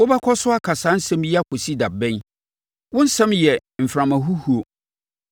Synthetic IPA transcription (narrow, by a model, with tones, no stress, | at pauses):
ɔ˦ba˦kʰɔ˦sʊ˦a˦kʰa˨saː˨˦n̩˦sɛ̃˦mjɛ˦a˦˨kʰo˨si˦da˨bɛ̃˦n | wʊ̃˦n̩˦sɛ̃˦mjɛ˨m̩˨fɾã˨mã˨ɦu˦hu˨o˨